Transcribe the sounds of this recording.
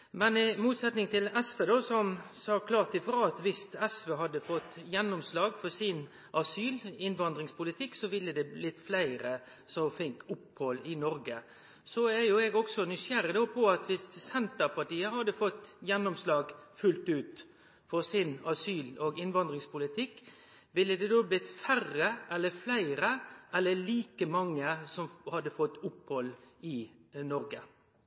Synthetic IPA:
mɛnɪmuːt̪sɛt̪nɪŋt̪ʰɪlɛsfeːd̪oːsɔmsɑːkʰlɑːt̪ɪfɾɑːɑt̪ʋɪst̪ɛsʋeːɦɑd̪ːəfɔt̪ːjɛnːɔmslɑːɡfɔɾsɪn | ʔɑsyːlɪnʋɑnd̪ɾɪŋspʰʊlɪt̪ʰɪkːsɔʋɪlːəd̪ɛlɪt̪ːflæɪɾə | sɔfɪŋkʊphɔlɪnɔɾɡə | sɔæjʊɛɡɔksɔnʏsæɾəd̪oːpʰɔɑt̪ʋɪst̪sɛnt̪əɾpʰɑʈiːəhɑd̪əfɔt̪ːjɛnːɔmslɑːɡfʉlt̪ʉːt̪ | fɔɾsɪnɑsyːlɔɡɪnʋɑnd̪ɾɪŋspʊlɪt̪ʰɪkː | ʋɪlːəd̪ɛd̪oːblɪt̪færəʔɛlːəflæɪɾəʔɛlːəɭiːkəmɑŋːəsɔmhɑd̪ːəfɔt̪ːʊpːhɔlɪnɔɾɡə

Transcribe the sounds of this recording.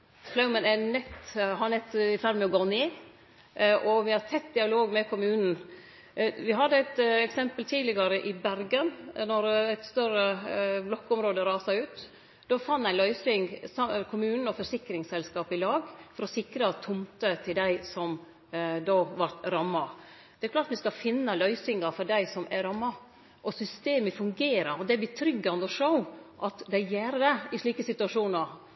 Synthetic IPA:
flɑʊmənɛnɛt̪ɦɑnɛt̪ːɪfæɾmɛɔɡoːneː | ʔɔʋɪhɑɾt̪ʰɛt̪ːd̪ɪɑloːɡmɛkʰʊmʉːnn̩ | ʋɪɦɑd̪ːəæɪt̪ɛksɛmpəlt̪ʰiːlɪɡɑɾəʔɪbæɾɡənnɔɾɛt̪st̪œɾəblɔkːʊmɾoːd̪əɾɑːsɑʉːt̪ | d̪̥ɔːfɑnt̪æɪlœʏsɪŋɡsɑkʰʊmʉːnn̩ɔfɔsɪkːɾɪŋsɛlskɑːpɪlɑːɡfɔɾɔsɪkɾɑt̪ʰʊmt̪ət̪ʰɪld̪æɪsɔm | d̪oʋɑɾt̪ɾɑmːɑ | d̪̥ɛæɾklɑːʈ̪t̪ʋɪskɑfɪnːəlœʏsɪŋɑfɔɖæɪsɔmæɾɑmːɑ | ʔɔsʏst̪eːməfʉŋɡeːɾəɾɔd̪ɛæbɪt̪ʰɾʏɡːɑnd̪ɔʂəʊʔɑt̪d̪æɪjæɾd̪ɛɪʂɭiːkəsɪt̪ʉɑʂuːnɑɾ

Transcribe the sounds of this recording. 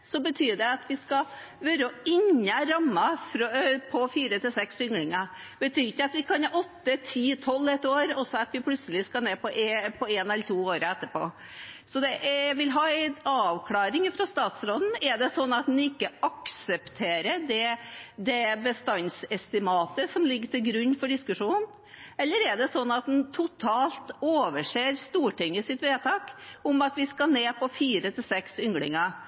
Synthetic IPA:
sɔbət̪ʰyːɖɛɑt̪ʋɪskɑ | ʋøɾəɔɪɲːəɾɑmːɑfɾpʰɔfiːɾət̪ɪlsɛksʏŋɡlɪŋɑ | bət̪ʰyːɾɪçːəɑt̪ʋɪkʰɑnhɑʔɔt̪ːət̪ʰiːt̪ʰɔlːɛt̪oːɾɔsɔɑt̪ʋɪpʰlʉt̪səlɪskɑneːpɔʔpʰɔeːnɛləʈ̪ʰuːoːɾəɛt̪ːəpo̰ː | sɔd̪ɛʔʋɪlɦɑːɛɪnɑːʋkʰlɑːɾɪŋfɾɑst̪ɑːt̪sɾoːd̪n̩ɛɖɛsɔnːɑt̪̚d̪ɛnɪkːəʔɑksəpt̪ʰeːɾəɖ̪ɛd̪ɛbəst̪ɑnsɛst̪ɪmɑːt̪əsɔmlɪɡːəʈɪlɡɾʉnːfɔɖɪskʉʂuːnn | ɛlːəɾɛɖɛsɔnːɑt̪̚d̪ɛnt̪ʰʊt̪ʰɑːlt̪oːʋəʂeːɾst̪uːʈɪŋːəsɪt̪ʋeːt̪ʰɑːkʊmɑt̪ʋɪskɑneːpʰɔfiːɾət̪ʰɪlsɛksʏŋɡlɪ̰ŋə

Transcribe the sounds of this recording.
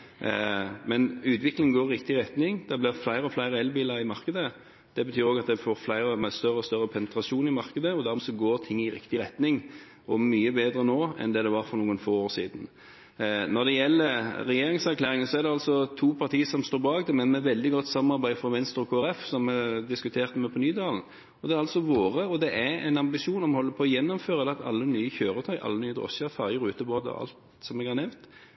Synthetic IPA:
mɛnʉːt̪ʋɪklɪŋ̩ɡoːɾɾɪk̚t̪ɪɾɛt̪nɪŋd̪̥ɛblɪʁflæɪɾəɔflæɪɾəɛlbiːləɾɪmɑɾkəd̪ə | d̪̥ɛbət̪ʰyːɾoːɡɑt̪̚d̪ɛfoːɾflæɪɾəmæst̪œʁəɔst̪œɾːəpʰɛnət̪ɾɑʂuːnɪmɑʁkəd̪əɔd̪æɾmɔsɔɡoːɾt̪ʰɪŋːɪɾɪ̰kt̪ɪɾɛt̪nɪŋ | ɔmːyːəbeːd̪ɾənoːɛ̰nd̪ɛd̪ɛʋɑɾfɔɾnuːənfoːoːɾsḭːd̪n̩ | nɔd̪ɛjɛlːəɾɛjeːɾɪŋsæʁklæːɾɪŋənsɔæʁd̪ɛɑlsɔt̪ʰuːpʰɑʁt̪ʰiːəsɔmst̪oːɾbɑːɡ̚t̪ɪmɛnmɛʋɛld̪ɪɡɔt̪ːsɑmɑɾbæɪfʁɔʋɛnst̪ɾɔkʰoːæɾɛfsɔmɛd̪ɪskʉt̪ʰeːʁt̪əmɛpʰɔnyːd̪ɑːln̩ | ɔd̪ɛæɾɑlsɔʋoːʁəɔd̪ɛʔæɾɛ̰ɪnɑmbɪʃuːnɔmhɔlːəpʰɔɔjɛnːɔmføːɾəd̪ɛɑt̪ɑ̰lːənyːəçøːɾət̪ʰœʏʔɑ̰lːənyːəd̪ɾɔ̰səæɾfɑɾɪəɾʉːt̪əboːd̪̰ɑ̰lt̪ | sɔmɛɡɑɾnɛʋt̪

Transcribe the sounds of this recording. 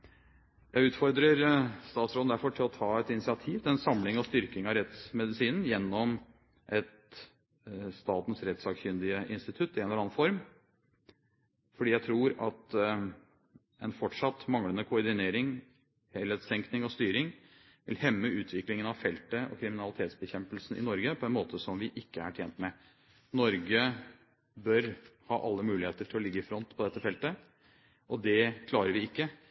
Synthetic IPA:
jæɪʉːt̪fɔɾd̪ɾəɾst̪ɑːt̪sɾoːd̩̪d̪æɾfɔʈʰɪlɔt̪ʰɑːɛt̪ɪnɪsɪɑt̪ʰiːʋt̪ʰɪɛnsɑmlɪŋɔst̪ʏɾkɪŋɑɾɛt̪smɛd̪ɪsiːnn̩jɛnːɔm | ʔɛt̪ | st̪ɑːt̪n̩sɾɛt̪sɑːɡçʏnd̪ɪəʔɪnst̪ɪt̪ʰʉt̪ːɪeːnəɑːnfɔɾm | fɔɖiːjæɪt̪ʰɾuːɾɑt̪ | ɛnfɔʈʂɑt̪ːmɑŋlənəkʰʊɔɾɖɪneːɾɪŋ | hɛlːəsɛŋknɪŋɔst̪yːɾɪŋ | ʋɪ̰lhɛmːəʉːt̪ʰʋɪklɪŋənɑʋfɛlt̪əɔ̰kʰɾɪmɪnɑlɪt̪ʰeːt̪sbəçɛmpəlsn̩ɪ̰nɔɾɡəpʰɔɛnmoːt̪ʰəsɔmʋɪʔɪkːəæ̰ʈʰjḛːnt̪mɛ | nɔɾɡə | bœɾhɑːʔɑlːəmʉːlɪheːt̪əʈʰɪlɔlɪɡːəɪfɾɔnt̪pʰɔd̪ɛt̪ːəfɛlt̪ə | ʔɔd̪ɛkʰlɑːɾəɾʋɪɪkːə

